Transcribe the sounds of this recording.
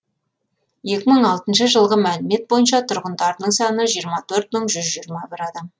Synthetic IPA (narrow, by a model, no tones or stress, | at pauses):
je̞kʲɪməɴɑlˠt̪ənʃəʒəlˠʁəmælɪme̞t̪̚bo̞jənʃ̬ɑt̪ʰʊɾʁənd̪ɑɾənəɴsɑnəʒijəɾmɑt̪ʰɵɾt̪̚məɴʒʏzʒijɾmɑbɪɾɑd̪ɑm